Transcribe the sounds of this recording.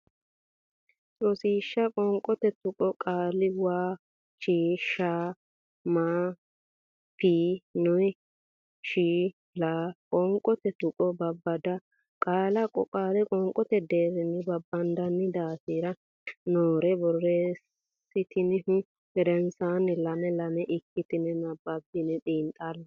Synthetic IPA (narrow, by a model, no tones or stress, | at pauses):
t͡sʼɔsiːʃːɐkʼɔŋkʼːɔt̪ɛt̪ʊkʼɔkʼaːlɪwaː | t͡ʃiːʃaː | maː | piːnʊj | ʃiː | laːkʼɔŋkʼɔt̪ɛt̪ʊkʼɔbɐbːɐd̪ɐ | kʼaːlɐkʼɔ̰kʼaːlɪkʼɔŋkʼːɔt̪ɛd̪eːɾɪnːɪbɐbːɐnd̪ɐnːɪd̪aːsiːɾɐ | noːɾɛbɔrːeːs | ɪt̪ɪnɪhʊ | hɛɾɛnsaːnɪlɐmɛlɐmɛʔɪkːɪt̪ɪnɛnɐbːɐbːɪnɛɗiːnt̪ʼːɐlːɐ